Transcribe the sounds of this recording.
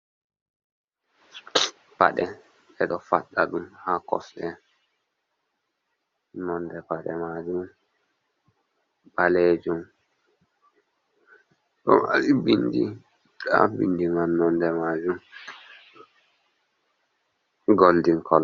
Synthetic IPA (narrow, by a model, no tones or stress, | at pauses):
pa̰ɗɛ | ɛɗɔfaɗːaɗumhakɔ̰sɗɛ | nɔndɛpaɗɛ̰mad͡ʒum | baled͡ʒum | ɗɔma̰ɗibindḭ | a̰bḭndimanːɔndɛmad͡ʒum | ɡoldiŋkʰɔl